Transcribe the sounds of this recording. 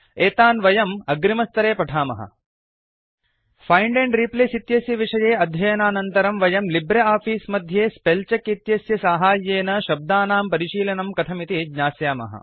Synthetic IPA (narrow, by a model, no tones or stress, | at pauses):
eːt̪aːnʋɐjɐmɐɡɾimɐst̪ɐɾeːpɐʈʰaːmɐ̰ɦɐ̰ | fʰɐjɳɖeɳɖɾipleːsit̪jɐsjɐʋiʂɐjeːɐd̪ʱjɐjɐnaːnɐnt̪ɐɾɐmʋɐjɐmlibɾɐaːfiːsmɐd̪ʱjeːspelt͡ʃɐkit̪jɐsjɐsaːɦaːjeːnɐʃɐb̚d̪aːnaːmpɐɾiʃiːlɐnɐmkɐt̪ʰɐmit̪iɡɲaːsjaːmɐ̰ɦɐ̰